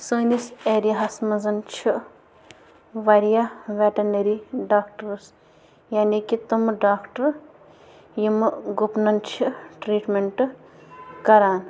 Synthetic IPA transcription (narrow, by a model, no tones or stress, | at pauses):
suːniseːɾjaɦɐsmɐzɐnt͡ʃʰi | ʋɐɾjaːʋeʈɐneɾiɖaːkʈɐɾs | jaːnikit̪umɖaːkʈɐɾ | jimɨɡupnɐnt͡ʃʰiʈɾiːʈmeɳʈ | kɐɾaːn